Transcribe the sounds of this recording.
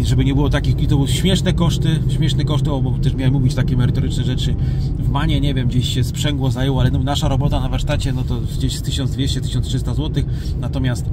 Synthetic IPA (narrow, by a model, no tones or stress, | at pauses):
ʐɛbɘɲɛbɘwɔt̪akʲixit̪ɔbwɕmʲjɛʂnɛkɔʂt̪ɘɕmʲjɛʂnɛkɔʂt̪ɨalbɔt̪ɛʂmʲjawɛmːuvʲit͡ɕt̪akʲɛmɛɾɘt̪ɔɾɘt͡ʂnɛʐɛt͡ʂɘ | vmaɲɛɲɛvʲjɛmd͡ʑeɕɕɛspʂɛŋɡwɔzajɛwɔalɛnɔnaʂaɾɔbɔt̪anavaɾʂt̪at͡ɕɛnɔt̪ɔ | d͡ʑeɕst̪ɘɕɔ̃nd̪vʲjeɕt͡ɕɛt̪ɘ̥ɕɔntʂɘst̪azwɔt̪ɘx | nat̪ɔmʲjast̪